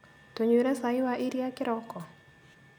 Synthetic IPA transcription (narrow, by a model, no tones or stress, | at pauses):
t̪oɲweɾasaɪwaʔiɾiakɪɾɔkɔ